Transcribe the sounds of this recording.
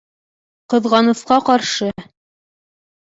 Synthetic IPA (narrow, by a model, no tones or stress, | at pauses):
qɤ̆ðʁɑnɤ̆sqɑqɑɾʃɤ